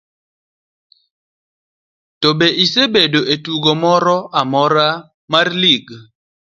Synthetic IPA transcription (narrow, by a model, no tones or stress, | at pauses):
tobeʔisebedoetuɡɔmɔɾɔʔamɔɾa | marliɡ